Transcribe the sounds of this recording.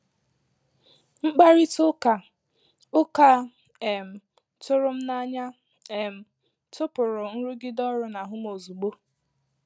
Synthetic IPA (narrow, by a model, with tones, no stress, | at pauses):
ŋ͡m̩˦ɡ͡ba˦ɾi˦tʊ˦ka˨ | ʊ˦ka˦ | e˨m̩˨ | tʊ˦ɾʊ˦m̩˦na˦ɲa˦ | e˨m̩˨ | tʊ˦pʊ˨ɾʊ˨n̩˦ɾu˦ɡɪ˦dɔ˦ɾʊ˦na˨ɦʊ˦mo˨zu˨ɡ͡bo˦